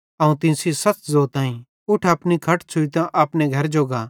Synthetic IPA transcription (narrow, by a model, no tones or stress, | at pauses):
ɐũt̪ɪ̃nsisɐt͡szoːt̪ãːĩ | ʊʈʰɐpnikʰɐʈʰt͡ʃʰʊit̪ãʔɐpneɡʱɐɾd͡ʒoːɡaː